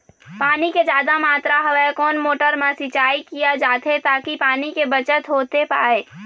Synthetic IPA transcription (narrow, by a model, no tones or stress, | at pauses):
paːniked͡ʒjaːd̪amaːt̪ɾaɦəʋɛkɔːnmoːʈəɾmãsɪt͡ʃaːikijad͡ʒaːt̪ʰet̪aːkipaːnikebət͡ʃət̪ɦoːt̪epaːeː